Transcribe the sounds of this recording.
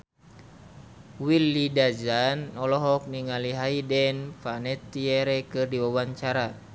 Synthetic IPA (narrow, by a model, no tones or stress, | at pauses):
wilːidad͡ʒanɔlɔɦɔk̚niŋaliɦaidɛnfanɛt̪ːiɛɾɛkɨrdiwawaɲt͡ʃaɾa